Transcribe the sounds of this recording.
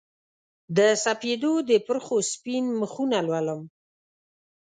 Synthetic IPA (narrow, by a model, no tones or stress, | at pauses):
d̪əsaped̪od̪əpɾxospinməxunalwaləm